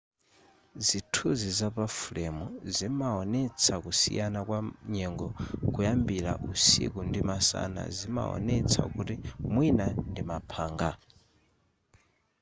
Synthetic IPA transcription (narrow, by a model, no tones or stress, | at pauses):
zitʰuzizapafulɛmuzimaɔnɛt͡sʰakusḭjanakwaɲɛŋɡɔkujambiɾa̰ʔusḭkundimasa̰na̰zima̰ɔ̰nɛt͡sʰa̰kutimwinandimapʰaːŋɡa